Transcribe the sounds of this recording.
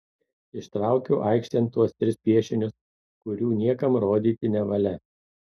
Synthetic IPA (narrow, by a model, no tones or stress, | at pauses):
ɪʃt̪ɾɑˑʊkʲoːʔɐɪkʃʲt̪ʲɛnt̪̚t̪ːuɔst̪ʲɾʲɪspʲiɛʃʲɪnʲʊs | kʊɾʲuːnʲiɛkɐmɾoːd̪ʲiːt̪ʲɪnʲɛʋɐlʲɛ